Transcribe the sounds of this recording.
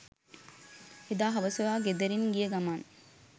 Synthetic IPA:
ed̪aːɦɐʋɐsojaːɡed̪eɾinɡijəɡamaːn

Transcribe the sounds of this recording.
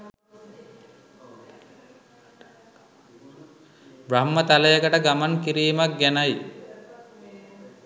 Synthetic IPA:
bɾamːət̪aləjəkəʈəɡamankiɾiːmak̚ɡænaj

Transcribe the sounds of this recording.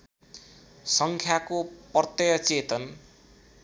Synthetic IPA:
sʌŋkʰjakopʌrt̪ʌjʌt͡set̪ʌn

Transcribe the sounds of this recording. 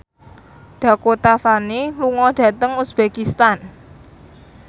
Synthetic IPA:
ɖ̪̥ä̤kot̪afaniluŋɔɖ̥ä̤t̪əŋusb̥ekist̪an

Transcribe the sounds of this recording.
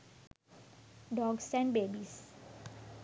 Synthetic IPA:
ɖɔːɡsɛ̃ɳɖbeːbis

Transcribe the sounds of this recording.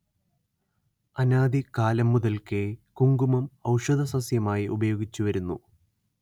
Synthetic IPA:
ɐnaːd̪ikaːlɐmːuðɐlkekuŋɡumɐmɐwʂɐd̪ʱɐsɐsjɐmaːjiʔubɐjo̞ːɡit͡ɕːuʋɐɾunːṵ

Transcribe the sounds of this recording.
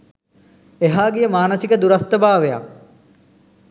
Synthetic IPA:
eɦaːɡijəmaːnəsikəd̪uɾɐst̪əbaːʋeja̰

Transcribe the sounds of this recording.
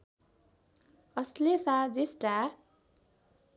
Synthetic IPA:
ʌslesad͡zisʈa

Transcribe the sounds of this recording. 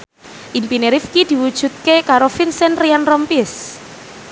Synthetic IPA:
ʔimpineɾifkid̪̥i̤wud̥ʒ̥ṳt̪̚kekaɾofinsɛnrianrɔmpɪs

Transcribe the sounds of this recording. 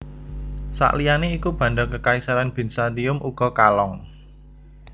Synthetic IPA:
sa̰ʔlijaneikub̥ä̤ɳɖɔkəkaisaɾanb̥ɪ̤nsad̪iʊmʔuɡ̥ɔ̤kalɔŋ

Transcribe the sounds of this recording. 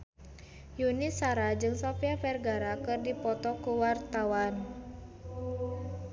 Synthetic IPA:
junisaɾad͡ʒɨŋsɔpiafɛrɡaɾakɨrdipɔt̪ɔkuwart̪awan

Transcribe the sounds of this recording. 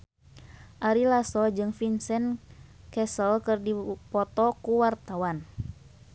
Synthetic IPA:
ʔaɾilasɔd͡ʒɨŋfinsɛnkɛsəlkɨrdipɔt̪ɔkuwart̪awan

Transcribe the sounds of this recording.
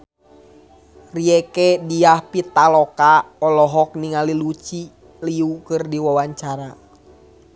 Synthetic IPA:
riɛkɛdiahpit̪alɔkaɔlɔɦɔk̚niŋalilut͡ʃi | liukɨrdiwawaɲt͡ʃaɾa

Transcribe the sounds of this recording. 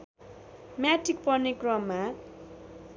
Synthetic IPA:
mjaʈik̚pʌrnekrʌmːa

